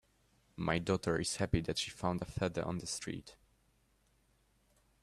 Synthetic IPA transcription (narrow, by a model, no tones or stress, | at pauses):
mʔajdɔtʰə˞ɪshæpid̪ætʃifãʊ̃nd̪əfɛðə̰˞ʔɔ̰̃nðəstɹḭt